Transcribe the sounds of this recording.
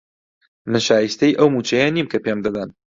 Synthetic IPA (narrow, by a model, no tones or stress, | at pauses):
mɨnʃaːjist̪ɐjʔɐwmut͡ʃʰɐjɛnimkʰɐpemd̪ɐd̪ɐn